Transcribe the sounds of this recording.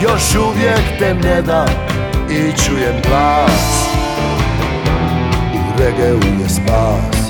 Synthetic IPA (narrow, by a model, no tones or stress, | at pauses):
jɔʃuvjɛkt̪ɛmɲɛd̪a | it͡ʃujɛmklas | uɾɛɡɛujɛspas